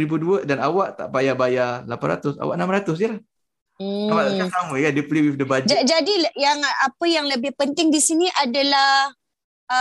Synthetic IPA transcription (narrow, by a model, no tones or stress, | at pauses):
ɾibuduədanawaʔt̪a̰ʔbajabajalapanɾa̰t̪ʊsa̰waʔnamaɾat̪ʊs̬dəlah | m̩kalalkasaməkandepliwifdəbad͡ʒd͡ʒad͡ʒadijaŋapəjaŋləbɪhpənt̪ɪŋdisiniʔadala | ə